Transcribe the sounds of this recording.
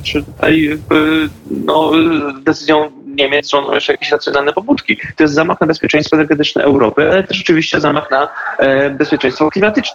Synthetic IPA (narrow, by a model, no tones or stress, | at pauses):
ʂɨt̪ut̪a̰jf | nɔd̪ɛt̪sɘzʲjɔ̃w̃ɲemʲjɛt̪ʐɔnd̪ɔ̰w̃jɛʂɛjakʲeɕɾat̪sʲjɔnalnɛpɔbut̪kʲit̪ɔjɛst̪zamaxnabɛspʲjɛt͡ʂɛ̃j̃st̪fɔɛnɛɾɡɛt̪ɘt͡ʂnɛ̰ʔɛwɾɔpɘalɛt̪ɛʂɔt͡ʂɨvʲiɕt͡ɕɛzamaxna | bɛspʲjɛt͡ʂɛ̃j̃st̪fɔklʲimat̪ɘt͡ʂn